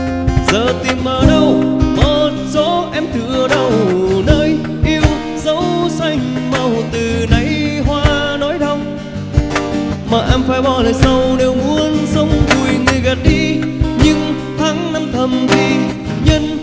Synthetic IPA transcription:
zəː˧˨˩t̪i˨˩mːəː˨˩ɗə˧wmo˨˩t̚zo˨˦ʔɛ˧mt̪ʰɨ̰˧˨əɗə˧˩wnəː˧j | ʔi˧əw | zə˨˦wsa˧jŋ̟ma˧˩wt̪ɨ˨˩na˧˩jɦwaː˧nɔ˨˦jɗə˧wŋ͡m | maː˨˩ʔɛ˧mfaː˧˩jɓɔ˧ləː˨˩jsa˧wne˧˩wŋu˧ənsə˧wŋ͡mvu˨˩əjŋɨ˨˩əjɣa˨˩t̚ɗi˧ɲɨ˧ŋ | t̪ʰaː˨˦ŋna˧mt̪ʰə˨˩mt̪ʰi˨˧˩ | ɲə˧n

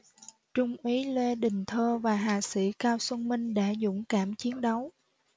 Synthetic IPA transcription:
t͡ɕʊ˧ŋ͡mʔi˨˦lwe˧ɗï˨˩ŋ̟t̪ʰəː˧vaː˨˩ɦaː˨˩sḭ˧˩˥kaː˧wsə˧nmï˧ŋ̟ɗa̰ː˧˥zʊ̰˧˥ŋ͡mkaː˧˩mt͡ɕi˨˦ənɗə˨˦w

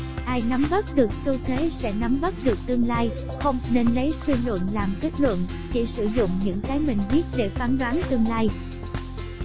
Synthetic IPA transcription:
ʔaː˧jna˨˦mvə˦˥t̚ɗɨ˨˩ək̚t̪o˧t̪e˨˦sɛ̰˧˥na˨˦mvə˦˥t̚ɗɨ˨˩ək̚t̪ɨ˧əŋlaː˧j | xə˧wŋ͡mne˧nlə˨˦jsɨ˧lwə̰˧˨nlaː˨˩mke˦˥t̚lwə̰˧˨n | t͡ɕi˧˩sɨ˧˩zʊ̰˧˨ŋ͡mɲɨ̰˧˥ŋkaː˨˦jmï˨˩ŋ̟vi˦˥ət̚ɗe˧˩faː˨˦nɗwaː˨˦nt̪ɨ˧əŋlaː˧j

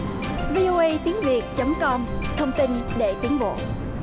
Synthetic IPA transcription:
vi˧ʔo˧ʔə˧jt̪i˨˦əŋvi˨˩ət̚t͡ɕə˨˦mkɔ˧mt̪ʰə˧wŋ͡mt̪i˧nɗe˧˩t̪i˨˦ŋvo̰˧˨

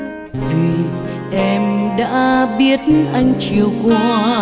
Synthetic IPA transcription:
vi˨˩ | ʔɛ˧mɗa̰ː˧˥ɓi˦˥ət̚nʔa˧jŋ̟t͡ɕi˨˩əwkwaː˧˦

